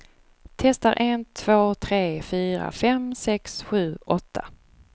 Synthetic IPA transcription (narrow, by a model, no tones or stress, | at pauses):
t̪ʰɛst̪aɾʔent̪ʰv̥oːt̪ʰɾeːfyːɾa̰fɛmsɛksɧʉ̟ːʔɔt̪ʰːa